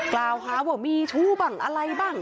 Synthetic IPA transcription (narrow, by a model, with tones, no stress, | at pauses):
klaː˧wɦaː˦˥waː˧˩miː˧t̪ʰuː˦˥˩ba˨˩ŋʔa˧ɾa˧jbaː˥˩ŋ